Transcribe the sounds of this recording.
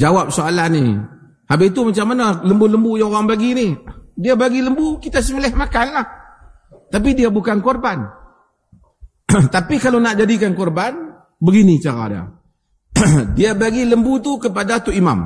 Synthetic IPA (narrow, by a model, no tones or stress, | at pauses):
d͡ʒawap̚soalahni | habit̪umat͡ʃamːanaləmbuləmbujaŋoɾaŋbaɡinidiabaɡiləmbukit̪as̬əmilɛhmakanlah | t̪ap̬idiabukankɔrban | t̪apikalonaʔd͡ʒadikankɔrban | bəɡinit͡ʃaɾa̰da̰ | diabaɡiləmbut̪ukəpadat̪uima̰m